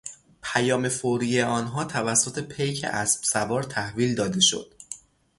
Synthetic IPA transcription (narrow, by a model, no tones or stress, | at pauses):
pʰæjɒːme̞foɾiːjeɒːnɦɒːt̪ʰævæsːot̪ʰe̞pʰejcʰḛʔæsb̥sævɒːɾt̪ʰæhviːld̪ɒːd̪e̞ʃo̞̰d̪̥